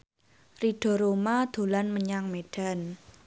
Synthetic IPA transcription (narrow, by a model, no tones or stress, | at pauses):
riɖ̥ɔ̤ɾomad̪̥o̤lanməɲaŋmeɖ̥a̤n